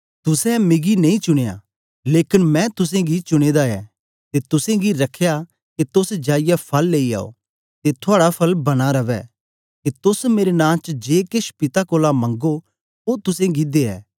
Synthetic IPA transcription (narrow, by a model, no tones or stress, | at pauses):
t̪ʊsɛ̃mɪɡinɐĩt͡ʃʊɽ̃eja̰ | leːkɪnmɛ̃t̪ʊs̬ẽɡit͡ʃʊɽ̃eːd̪aɛː | t̪et̪ʊsẽɡiɾɐkʰːeja | ket̪ʊsd͡ʒaːɪjapʰɐlːeːia̰ːo̰ː | t̪et̪ʰʊaːɽapʰɐlbɐɽ̃aɾɐʋɛ̰ | k̪et̪ʊsmeːɾenãːt͡ʃd͡ʒeːkɪʃpɪt̪akoːlamɐ̃ŋɡo | oːt̪ʊsẽɡid̪eɛ̰ː